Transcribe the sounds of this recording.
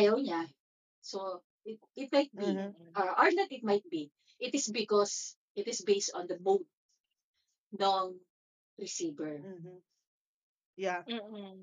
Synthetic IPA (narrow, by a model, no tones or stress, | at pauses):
ʔɐjɐwɲa | so | ʔɪt̪̚ʔɪt̪̚majt̪̚biʔɔʔɔɹnɐt̪ɪt̪̚majt̪̚bi | ʔɪt̪ɪsbɪkɔs | ʔɪt̪ɪsbejst̪ɔ̃nd̪ɐmowd̪̚ | noŋ | ɾɪsiːbɛɹ | jam̩ː